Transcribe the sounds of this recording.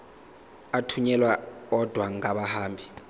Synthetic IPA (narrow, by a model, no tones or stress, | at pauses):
atʰuɲɛlwaɔd̥ʱwaŋaɓahaːmbʱi